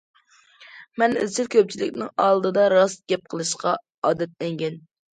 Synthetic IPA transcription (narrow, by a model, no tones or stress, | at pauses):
mɛny̰zt͡ʃʰɪlkʲʰøp̚t͡ʃʰilɪkʲnɪŋɑlˠd̪ɨd̪ɑɾɑsɡ̥ʲɛp̚qʰəlˠɨʃqɑ | ɑːd̪ɛt̪̚lɛŋɡʲɛn